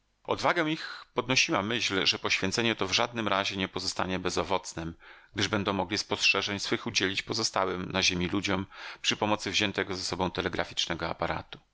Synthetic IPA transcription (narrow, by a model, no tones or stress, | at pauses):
ɔ̰d̪vaɡɛw̃ixpɔd̪nɔɕiwamɘɕlʐɛpɔɕfʲjɛ̃nt̪sɛɲɛt̪ɔvʐad̪nɘmɾaʑɛɲɛpɔzɔst̪a̰ɲɛbɛzɔvɔt̪snɛmɡ̚d̪ɘʐbɛnd̪ɔ̃w̃mɔɡlʲispɔstʂɛʐɛɲsfɘxud͡ʑelʲit͡ɕpɔzɔst̪awɛmnaʑemʲilud͡ʑɔmpʂɘpɔmɔt̪sɘvʑɛnt̪ɛɡɔzasɔbɔ̃w̃t̪ɛlɛɡɾa̰fʲi̥t͡ʂnɛɡɔapaɾa̰t̪u̥